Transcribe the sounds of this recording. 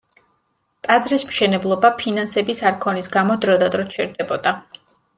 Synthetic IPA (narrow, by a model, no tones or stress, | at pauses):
t̪ʼad̪zɾismʃɛnɛblˠɔbapʰinansɛbisaɾkʰɔnisɡamɔd̪ɾɔd̪ad̪ɾɔt͡ʃʰɛɾd̪ɛbɔd̪a